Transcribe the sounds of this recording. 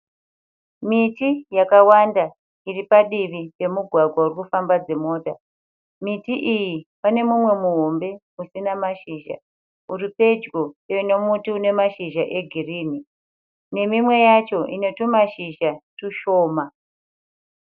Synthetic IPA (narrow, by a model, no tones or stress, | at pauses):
mitijakawanda | iripaɗiʋipe̞muɡʱwaɡʱwaurikufambad͡ze̞mo̞ːta | mitiʔijipane̞mumwe̞muɦombe̞ | usinamaʃiːʒa̰ | uripe̞d͡ʒɡoeino̞mutiune̞maʃiʒaʔe̞ɡʱiriːni | ne̞mimwe̞jat͡ʃo̞ʔino̞tumaʃiʒatuʃo̞ːma